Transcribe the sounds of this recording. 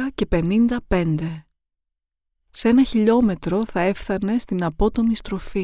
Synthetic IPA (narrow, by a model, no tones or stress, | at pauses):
ɐce̞pe̞nind̪ɐpe̞nd̪e̞ | se̞nɐçiʎo̞me̞t̪ɾo̞θɐe̞fθɐne̞st̪inɐpo̞t̪o̞mist̪ɾo̞fi